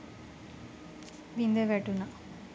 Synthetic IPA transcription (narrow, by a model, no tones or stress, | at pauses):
ʋind̪eʋeʈːuna